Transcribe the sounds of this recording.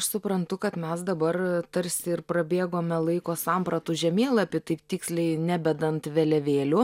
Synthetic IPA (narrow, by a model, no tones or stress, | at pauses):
ɐʃsʊpɾɐnt̪ʊkɐt̪mʲɛsd̪ɐbɐrt̪ɐɾʲsʲɪɪrpɾɐbʲeːɡoːmʲɛlˠɐɪkoːsɑmpɾɐt̪ʊʒʲɛmʲeːlˠɐpʲɪt̪ɐɪpt̪ʲɪːksʲlʲɛɪnʲæbʲɛd̪ɐnt̪ʋʲɛlʲɛʋʲeːlʲʊ